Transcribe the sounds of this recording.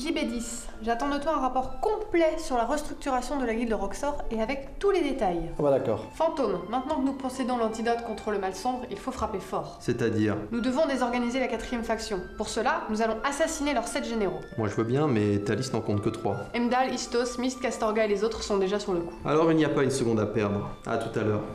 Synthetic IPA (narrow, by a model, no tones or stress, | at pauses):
ʒibed̪is | ʒat̪ɑ̃d̪ot̪wɔ̃ɛ̃ʁapɔʁkɔ̃plɛsyʁlaʁəst̪χyk̚t̪yʁasjɔ̃d̪əlaɡʲild̪əʁɔksɔʁeavɛkt̪uled̪et̪ajbad̪akɔ̰ːʁfɑ̃t̪omːɛ̃t̪nɑ̃kənupɔsed̪ɔ̃lɑ̃t̪id̪ɔt̪kɔ̃t̪χələmalsɔ̃bʁḭlfofχapefɔːʁsɛt̪ad̪iːʁnud̪əvɔ̃d̪ezɔʁɡanizelakat̪χijɛmfaksjɔ̃puʁsəlanuzalɔ̃ʔasasinelœʁsɛt̪ʒeneʁomwaʒəvøbjɛ̃mɛt̪alisnɑ̃kɔ̃t̪kət̪χwa̰ɛmd̪alist̪osmist̪kast̪ɔʁɡaelezot̪χsɔ̃d̪eʒasyʁləku̥a̰lɔʁilnijapaynsəɡɔ̃d̪apɛʁd̪ʁa̰t̪ut̪alœːʁ